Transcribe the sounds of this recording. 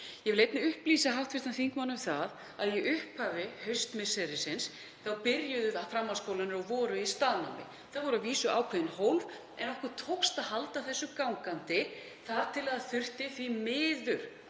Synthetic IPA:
jɛvɪlejt̪nɪʏhpliːsaɦawht̪fɪst̪anθiŋkmanːʏmθað | aðjɛʏhphavɪhœɥst̪mɪsɛɾɪsɪns | θawpɪɾjʏðʏfɾamːawskoːwlanɪɾɔɣvɔːɾʏist̪aːðna̰wmɪ̰ | θaðvɔɾʏaviːsʏʔa̰ːwkʰvɛvɪnhowlv | ɛ̰nɔhkvʏɾ̥t̪ʰowkst̪aðɦalt̪aθɛsːʏkawŋkant̪ɪ | θaðt̪ʰɪlaðaθʏr̥t̪ɪθvimɪːðʏɾ̥

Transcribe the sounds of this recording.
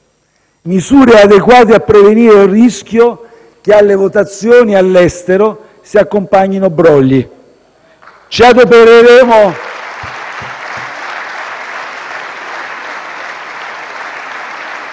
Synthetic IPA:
misuːɾead̪ekwaːt̪̬eapːɾeveniːɾeunrisk̟ʲjo | k̟ealːevot̪at̪sːjoːnialːɛst̪eɾo | siakːompaɲːinobɾɔlːi | t͡ʃiad̪opeɾeɾeːmo

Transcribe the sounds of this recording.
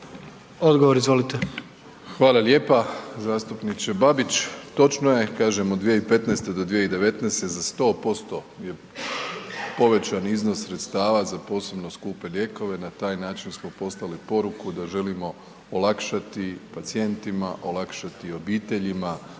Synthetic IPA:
od̪ɡoʋoɾizʋo̞lit̪e | xʋaːlˠalje̞ːpazaːst̪upnit͡ɕebabit͡ɕt̪o̞t͡ʃnoje̞kaːʒe̞mod̪d̪ʋijeipe̞t̪nɛːst̪ed̪o̞d̪ʋijeid̪e̞ʋe̞t̪nest̪ezast̪o̞ːpo̞st̪o̞ | je̞ | po̞ʋe̞t͡ɕaniznossɾe̞t̪st̪aːʋazapo̞ːse̞bno̞skuːpe̞ʎje̞ːko̞ʋe̞nat̪aːjnaːt͡ʃinsmo̞po̞slˠalipo̞ɾukud̪aʒe̞limo̞ | olakʃat̪ipat̪sie̞nt̪imaʔo̞lakʃat̪io̞biːt̪e̞ʎima

